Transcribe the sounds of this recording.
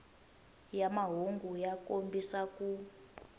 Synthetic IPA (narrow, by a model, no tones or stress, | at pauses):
jamaɦoŋɡujakombisaku